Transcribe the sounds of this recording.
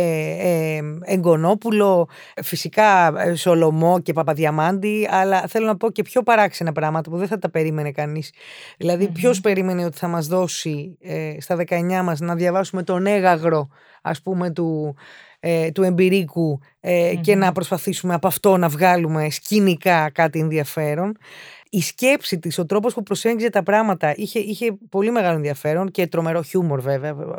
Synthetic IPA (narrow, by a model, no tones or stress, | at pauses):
eŋɡo̞no̞pulo̞ | fisikɐso̞lo̞mo̞ce̞pɐpɐðʝɐmɐnd̪iɐlɐθe̞lo̞nɐpo̞ce̞pço̞pɐɾɐksenɐpɾɐmɐt̪ɐpuðeθɐt̪ɐpe̞ɾime̞nekɐnisðilɐðipço̞spe̞ɾime̞neo̞t̪i̥θɐmɐzðo̞siest̪ɐðe̞kɐe̞ɲɐmɐznɐðʝɐvɐsume̞t̪o̞ne̞ɣɐɣɾo̞ | ɐ̰spume̞t̪u | t̪ue̞mbiɾiku | ece̞nɐpɾo̞spɐθisumeɐpɐft̪o̞nɐvɣɐlume̞scinikɐkɐt̪ienðiɐfe̞ɾo̞nisce̞psit̪iso̞t̪ɾo̞p̬ospupɾo̞seɲçizet̪ɐpɾɐɣmɐt̪ɐʔiçe̞içe̞po̞lime̞ɣɐlo̞enðiɐfe̞ɾo̞nce̞t̪ɾo̞me̞ɾo̞çumo̞ɾve̞veɐ